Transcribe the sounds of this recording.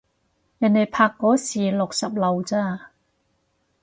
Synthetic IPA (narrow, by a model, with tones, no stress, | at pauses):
jɐ˨˩nːe˨˩jpʰaː˧kːɔː˨˥siː˨˩lʊ˨k̚sɐ˨p̚lɐ˨wt͡saː˥˩